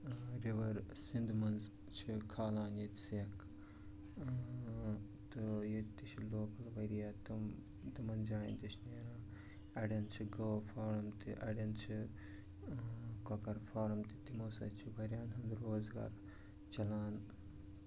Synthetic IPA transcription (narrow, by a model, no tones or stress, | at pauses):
ɾiʋɐɾsind̪mɐnz | t͡ʃʰikʰaːlaːnjet̪sjɐk | t̪ɨjet̪t̪ːiʃʰiloːkɐlʋɐɾijaːt̪ɐ | t̪ɨmɐnd͡ʒaːḭnʲt̪iʃneːɾãː | ɐɽʲjɐnt͡ʃʰiɡɐʋfaːɾɐmt̪iʔɐ̰ɽʲjɐnt͡ʃʰi | kɐkɐɾfaːɾɐmt̪it̪imoːsɐ̰t͡ʃʰiʋɐɾʲjaːnɦɐnd̪ɾoːzɡa̰ːɾ | t͡ʃɐlaːn